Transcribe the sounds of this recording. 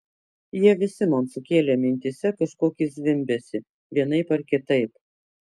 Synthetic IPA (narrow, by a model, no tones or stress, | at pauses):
jiɛʋʲɪsʲɪmoːnsʊkʲeːlʲɛmʲɪnʲt̪ʲisʲɛkɐʃkoːkʲɪsʲʋʲɪmʲbʲɛsʲɪ | ʋʲiɛnɐɪpɐɾkʲɪt̪ɐɪp̚